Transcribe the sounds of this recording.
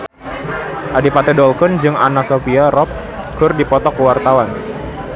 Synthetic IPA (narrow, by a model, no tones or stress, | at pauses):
ʔadipat̪ɛdɔlkɔnd͡ʒɨŋa̰nasopiaɾɔp̚ | kʊrdipɔt̪ɔkəwart̪awan